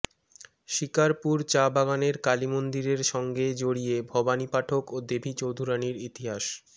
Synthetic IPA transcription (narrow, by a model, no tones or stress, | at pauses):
ʃikaɾpuɾt͡ɕabaɡaneɾkalimond̪iɾeɾʃɔŋɡed͡ʑoɽijebʱɔbanipaʈʰokod̪ebʱit͡ɕowd̪ʱuɾaniɾit̪iɦaʃ